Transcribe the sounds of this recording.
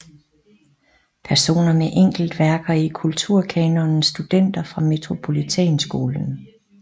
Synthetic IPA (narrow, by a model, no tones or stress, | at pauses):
pʰæɐso̝̰ːnɐmeʔeŋ̰ɡ̥l̩d̥ʋæɐɡ̥ɐikʰult͡sʰuɐ̰kʰɛːnɔnsd̥ud̥en̰d̥ɐfʁɑ̈me̝t͡sʰʁo̝pʰo̝lit͡sʰɛ̰ːnsɡ̥o̝ːln̩